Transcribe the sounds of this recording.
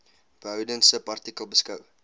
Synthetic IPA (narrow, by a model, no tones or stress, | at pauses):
b̥əɦœwdənsəpɐrtikəlˠbəskəw